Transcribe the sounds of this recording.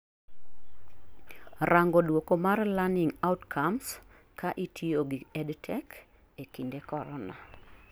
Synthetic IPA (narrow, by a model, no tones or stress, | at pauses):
raŋɡɔdwokomarlanɪŋautkʰams | kʰaʔitʰioɡiɛdtʰɛk | ekindekɔɾɔna̰